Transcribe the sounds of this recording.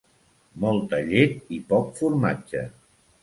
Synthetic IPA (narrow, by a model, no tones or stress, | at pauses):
mɔlˠt̪əʎet̪ipɔkfuɾmad͡ʒt͡ʃə̰